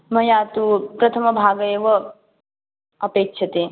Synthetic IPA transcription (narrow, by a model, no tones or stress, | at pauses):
mɐjaːt̪upɾɐt̪ʰɐmɐbʱaːɡɐeːʋɐ | ɐpeːkʃʰɐt̪eː